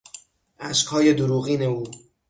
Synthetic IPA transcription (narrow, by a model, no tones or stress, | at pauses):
ʔæʃkhɒːje̞d̪oɾuːɣiːne̞uː